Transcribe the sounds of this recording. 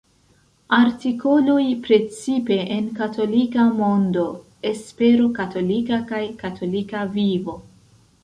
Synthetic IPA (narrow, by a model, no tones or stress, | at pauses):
aɾtiko̞lojpɾe̞t͡sipe̞ʔenkato̞likamo̞ndo̞ | e̞spe̞ɾokato̞likakajkatʰo̞likavivo̞